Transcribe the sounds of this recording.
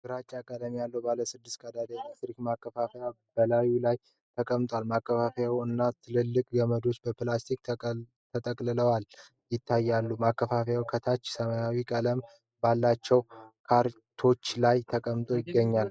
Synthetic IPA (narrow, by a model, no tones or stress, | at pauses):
ɡɨɾat͡ʃʼːakʼəd̪amijalːəwbaləsɨd̪ːɨst̪kʼad̪ad̪emet̪ɾikmakʰːəfafeja | b̥əlajulaj | t̪ʰəkʼəmt̪ʼwalmakːəfafejawɨnːat̪ʰɨlɨlːɨkʼɡəməd̪o̞t͡ʃːbəplast̪ʰik | t̪ʰət̪ʼəkʼlɨləwal | jɪt̪ʰːajːalːumakːəfafjawkʰət̪ʰat͡ʃːsəmajawikʼələm | balːat͡ʃːɛwkʰaɾ | t̪ʰo̞t͡ʃːlajt̪ʰəkʼəmt̪ʼo̞jɪɡːəɲːal